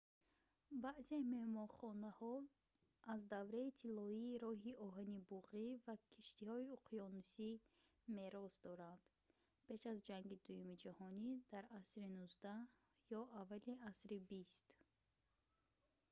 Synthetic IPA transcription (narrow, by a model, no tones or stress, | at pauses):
baʔzemehmɔnχɔnahɔ | azd̪avɾait̪ʰilɔiːɾɔɦiʔɔɦanibuʁivakʰiʃt̪ihɔiuqʰjɔnusi | meɾɔzd̪ɔɾand̪ | pʰe̞ʃazd͡ʒaŋɡid̪ujumid͡ʒahɔnid̪̥aɾasɾinuzd̪a | jɔavːaliasɾibist̪